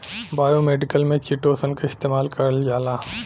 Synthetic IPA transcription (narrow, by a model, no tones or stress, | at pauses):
baːjomeːɖɪkəlmẽt͡ʃiʈoːsənkaɪst̪eːmaːlkɐɾəld͡ʒaːlaː